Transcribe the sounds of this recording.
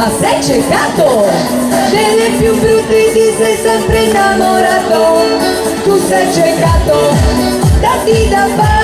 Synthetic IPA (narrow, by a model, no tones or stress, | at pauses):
asɛt͡ʃekat̪o | d̪ɛlepjubɾut̪id̪isɛjsɛ̃mpɾenamoɾat̪o | t̪usɛt͡ʃekat̪o | d̪at̪id̪apa